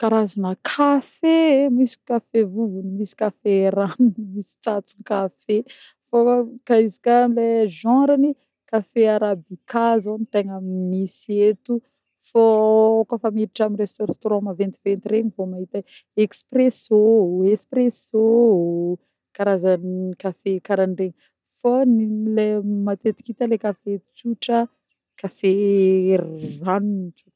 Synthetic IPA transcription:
kaɾazanəkʰafemisi̥kafevuvunimisi̥kaferanimisi̥t͡sat͡sunikafe | fokaizi̥kaleʒãɾani | kafeaɾabikʰazonit̪eŋəmisiet̪u | fakafamiɾiʈ͡ʂaminrest̪oɾãt̪oɾãmavɛnt̪ivẽnt̪iɾeɲivomaɦit̪ə | ekspresoespreso | kaɾazanikafekaɾaɳreɲi | fanilemat̪et̪i̥kit̪alekafet͡suʈ͡ʂə | kafe | ranuntu̥

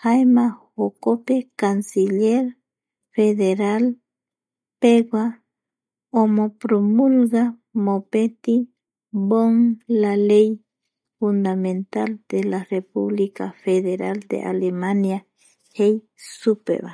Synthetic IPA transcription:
hajmahokopekansiʎeɾ | feðeɾal | peɡwa | omopɾomulɡamopet̪i | boŋlalej | fund̪ament̪ald̪̥elarepṵβlikafeðeɾald̪ḛʔa̰lemanja | hej | supḛβa

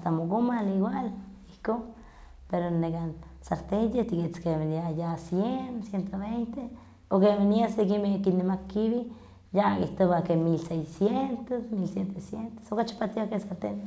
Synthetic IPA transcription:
ast̪amokomaliɡwal | ihko | peɾonekan | saɾt̪ejeht̪ikit͡skemeniajasjensjent̪oβejnt̪e | okemeniasekimekinːemakːiβi | jakiht̪oβakemilsejsjent̪osmilsjent̪esjent̪o̥sokat͡ʃḁpat̪iakesaɾt̪eje

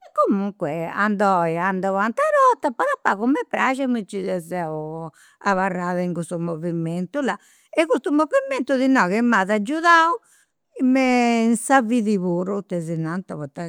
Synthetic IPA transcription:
ɛkːomuŋkwɛa̰nd̪ɔiand̪awant̪aɾɔt̪ːapɔðapːaɣumːɛpːɾaʒɛmit͡ʃːiðɛzɛu | aβarːaðaiŋɡust̪umoviment̪ula | ɛɣust̪umoviment̪uðinɔɣɛmːaðad͡ʒːuðau | mɛnsaviðiβoːɾut̪ɛzinant̪aβɔt̪ːa

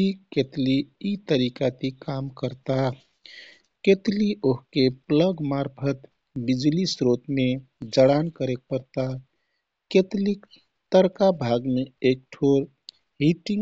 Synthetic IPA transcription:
iket̪liːt̪əɾikat̪ikamkəɾt̪a | ket̪liʔoɦkepləɡmaɾpʰət̪ | bid͡ʒlisɾot̪me | d͡ʒəɽankəɾek̚pəɾt̪a | ket̪lik | t̪əɾkabʱaɡmeek̚ʈʰoɾ | ɦiʈiŋ

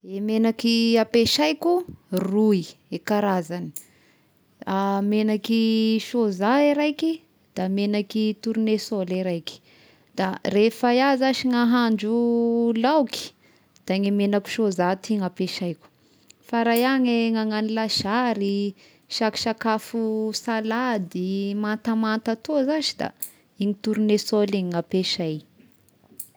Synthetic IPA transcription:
emenakiapeʃajkuruiekaɾazani̥ | amenakiʃozaiɾajki | d̪̥amenakit̪uɾunesoliɾajki̥ | d̪̥arefajazaʃiŋaɦaɳd͡ʒulawki̥ | d̪̥aŋimenaku̥ʃozat̪iŋapeʃajkʲu̥ | faɾajaŋeŋaŋanilaʃaɾi | ʃaki̥ʃakafusalad̪imant̪amant̪at̪ozaʃid̪a̰ | iŋit̪uɾunesoliŋiŋapeʃaj

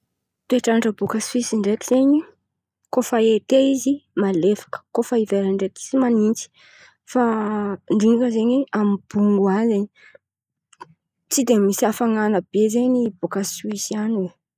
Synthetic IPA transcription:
t̪ueʈ͡ʂanaʈ͡ʂəbukaswisiɳɖ͡ʐet̪iz̥eɲi | kofəet̪eizimalefḁkə̥kofəiveɾəɳɖ͡ʐet̪i̥zimanint͡si̥ | faɳɖ͡ʐiŋkəzeɲeamib̥uŋɡuazeɲi | t͡sid̪emisafaŋanəb̥ezeɲib̥okaswisiane

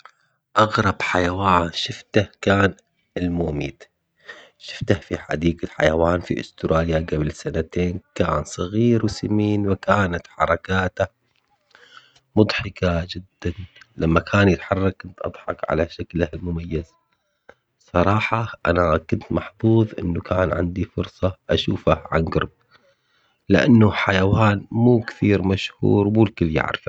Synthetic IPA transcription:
ʔɑɣɾˤɑb̥ħajawaːnʃɪft̪ahkaːn | ɪlmoːmiːt̪ | ʃɪ̥ft̪ahfiħa̰d̪iːɡaħa̰jawaːnfḭʔʊ̰st̪ɾaːljaɡabɪlsanat̪eːnkaːnsˤɑɣiːɾwɪsamiːnwɪkaːnat̪ħɑ̰ɾˤɑkaːt̪a | mʊd̪ˤħɪkad͡ʒɪd̪ːanlamːakʰaːnjɪt̪ħɑrˤːɑk̚kʊnt̪ʔɑ̰d̪ˤħɑkʕa̰laʃaklahlmʊmajːaz̥ | sˤɑɾˤɑːħɑʔanakʊnt̪mɑħfˤuːðˤʔɪnːukʰaːnʕɪ̰nd̪ifʊɾsˤɑʔaʃuːfaʕa̰nɡɑ̰ɾˤb̚ | lɪʔa̰nːuħajawaːnmuːkθiːɾmaʃhṵːɾmuːlkɪlːja̰ʕɾɪ̰fa

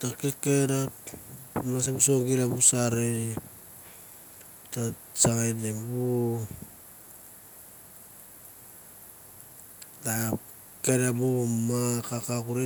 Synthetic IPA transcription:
takekeɾa | masebusoɡilabusaɾei | ta | saŋenebu | ta | keɾabumakakakuɾe

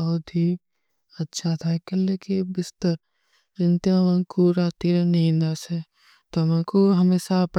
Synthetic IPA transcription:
ɐɦt̪i | ɐtːʃʰat̪ʰaːkɐllekebɪst̪əɾ | ɾɪ̃nt̪ijãʋɐ̃kuɾaːt̪iɾeniːnase | t̪ɐmãːkoɦɐmeːsap

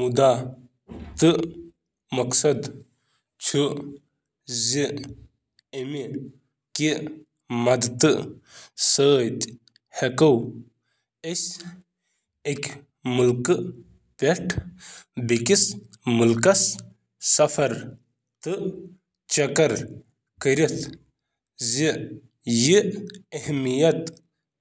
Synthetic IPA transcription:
mud̪a | t̪ɨ | mɐksɐd̪ | t͡ʃʰu | zi | emi | ki | mɐd̪t̪ɨ | səːt̪ | hekɐw | es | ekʲ | mulkɨ | pʲeʈʰ | bekʲis | mulkɐsː | ɐfɐɾ | t̪ɨ | t͡ʃɐkɐɾ | kəɾit̪ʰ | zi | jiehmijɐt̪

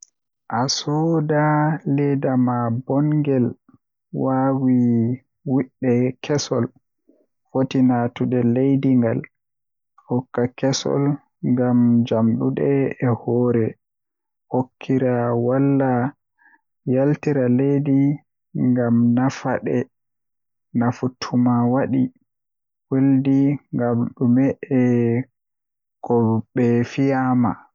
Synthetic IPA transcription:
ʔasɔdalɛdamabɔŋɡɛl | wawi | wiɗːɛkʰɛsɔ̰l | fotinatuɗɛlejdiŋɡal | fɔkːakɛsɔ̰l | ŋɡamd͡ʒamɗuɗɛɛhɔːɾɛ | hokʰːiɾawalːa | jaltiɾalejdi | ŋɡamnafaɗɛ | nafutʰumawaɗi | weldiŋɡamɗumɛʔɛ | kɔɓɛfijama

